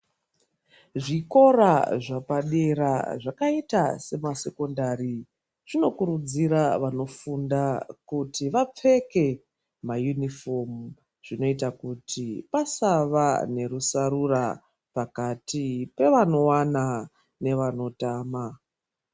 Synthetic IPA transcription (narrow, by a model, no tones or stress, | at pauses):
ʐiko̞ɾaʐapaɗeɾaʐakaitase̞mase̞ko̞ndari | ʐ̥ino̞kuɾud͡ziɾaʋano̞fundakutiʋap͡fe̞ke̞ | majunifo̞mu | ʐ̥ino̞itakutipasaʋane̞ɾusaɾura | pakatipe̞ʋano̞wana | ne̞ʋano̞taːma